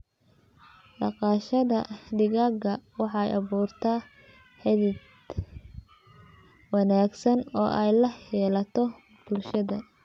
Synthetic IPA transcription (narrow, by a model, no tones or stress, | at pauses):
ɖɑqɑːʃɐðɐɖɪɣaːɡɐwɑħɑɛjʔɑβuːrt̪ʰaː | ħɛðɪd̪ | wɑnaːɡsɐnɔːʔɛjlɐhɛːlɐt̪ʰɔ | b̥ʊlʃɐðɐ